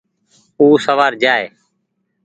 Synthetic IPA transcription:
uːsəʋaːɾd͡ʒaːḛː

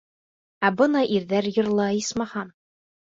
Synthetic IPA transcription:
æbɤnɑʔiɾðæɾjɤ̆ɾlˠɑjismɑhɑm

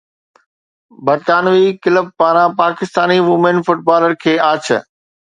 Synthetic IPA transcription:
bɐɾt̪aːnʋikɪləb̚paːɾãpaːkɪst̪aːniʋʊmenfʊʈ̚baːləɾkʰeːaːt͡ɕʰə̰

